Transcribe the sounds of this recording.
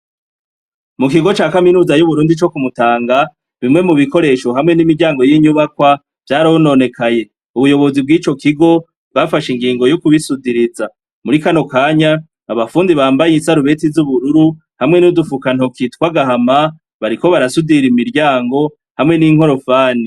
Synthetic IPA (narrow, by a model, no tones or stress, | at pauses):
muk̬iɡo̞t͡ʃaːkaminuːzajuβuɾuːndit͡ʃo̞kumutaːŋɡa | βimŋe̞muβiko̞ɾe̞ʃo̞ɦamŋe̞nimiɾɟaːŋɡo̞jiːɲuβakwa | v̥jaːɾahono̞ːne̞kʰaje̞ | uβujo̞βo̞zibɡiːt͡ʃo̞kiɡo̞ | bɡafaʃiŋɡiːŋɡo̞jokuβisudiɾiza | muɾikano̞kaːɲaː | βafuːndiβaːmbajisaɾuβe̞tizuβuɾuɾu | hamŋe̞nudufukanokitkwaɡaɦama | βaɾiko̞βaɾasudiɾimiɾɟaːŋɡo̞ | hamŋe̞niŋ̥ho̞ɾo̞faːni